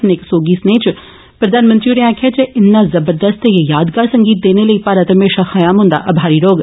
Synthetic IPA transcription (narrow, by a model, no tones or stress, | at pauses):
pneːksoːɡisneːt͡ʃ | pɾɐd̪ʱaːnmə̃nt̪ɾijuːɾeãːkʰat͡ʃeʔɪnːazɐbəɾd̪əst̪jejaːd̪ɡaːɾsɐ̃ŋɡiːt̪̚d̪eːneləipaːɾət̪əmeːʃaxɐjaːmɦʊ̃nd̪a̰ʔɐbʱaːɾiɾoːɡ